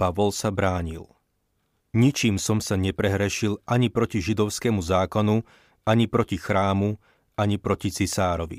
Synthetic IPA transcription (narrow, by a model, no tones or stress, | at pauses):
paʋɔlsabɾaːɲḭl | ɲit͡ʃiːmsɔmsaɲɛpɾɛɦɾɛʃilʔaɲipɾɔciʒid̪ɔʊskɛmuzaːkɔnu | aɲipɾɔcixɾaːmu | aɲipɾɔcit͡sisaːɾɔʋḭ